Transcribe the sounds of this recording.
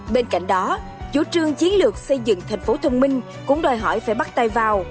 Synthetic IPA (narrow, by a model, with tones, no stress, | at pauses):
ɓe˧nka̰˧˨jŋ̟ɗɔ˨˦ | t͡ɕu˧˩˦t͡ɕɨ˧əŋt͡ɕi˨˦ənlɨ˨˩ək̚sə˧jzɨ̰˧˨ŋt̪ʰa˨˩ŋ̟fo˨˦t̪ʰə˧wŋ͡mmï˧ŋ̟ | kʊ̰˧˥ŋ͡mɗɔ˨˩jɦɔ̰˧˩jfaː˧˩jɓa˦˥t̚t̪a˧jvaː˨˩w